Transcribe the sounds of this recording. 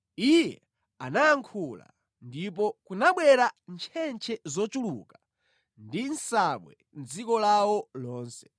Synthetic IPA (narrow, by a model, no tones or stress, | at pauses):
ijɛ | anaːŋkʰula̰ | ndip̬ɔkunaɓwɛɾant͡ʃʰɛnt͡ʃʰɛzɔt͡ʃuluka | ndinsaɓwɛ | n̩d͡zikɔlawɔlɔːnsɛ̥